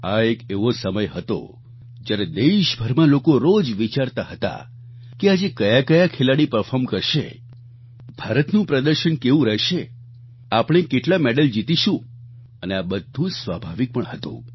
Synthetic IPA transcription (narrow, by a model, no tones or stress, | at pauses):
aekeʋosəməjɦət̪o̰ | d͡ʒjaɾed̪eʃbʱəɾmãlokoɾod͡ʒʋit͡ʃaɾt̪aɦət̪a̰ | kead͡ʒekəjakəjakʰelaɽipəɾfʰɔɾmkəɾʃḛ | bʱaɾət̪nũpɾəd̪əɾʃənkeʋũɾɛɦʃe | apɽ̃ekeʈlamɛɖəld͡ʒit̪iʃũ | əneabəd̪ʱũd͡ʒsʋabʱaʋik̚pəɳɦət̪ṵ̃